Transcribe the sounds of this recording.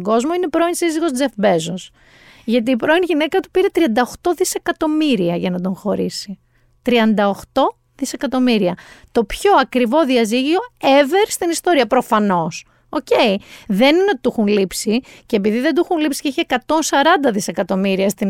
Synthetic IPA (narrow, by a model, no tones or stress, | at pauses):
ɡo̞zmo̞ine̞pɾo̞insiziɣo̞zd͡ze̞fbe̞zos | ʝɐt̪̬iːpɾo̞inʝine̞kɐt̪u̥piɾe̞t̪ɾiɐnd̪ɐoxt̪o̞ðise̞kɐt̪o̞miɾiɐʝɐnɐd̪o̞ŋxo̞ɾisi | t̪ɾiɐnd̪ɐo̞xt̪o̞ | ðise̞kɐt̪o̞miɾiɐt̪o̞pço̞ɐkɾivo̞ðiɐziʝio̞eveɾst̪inist̪o̞ɾiɐpɾo̞fɐno̞s | o̞ce̞iðe̞ninot̪it̪uxunlipsice̞epiðiðed̪uxunlipsi̥ceiçiekɐt̪o̞nsɐɾɐnd̪ɐðise̞kɐt̪o̞miɾiɐst̪i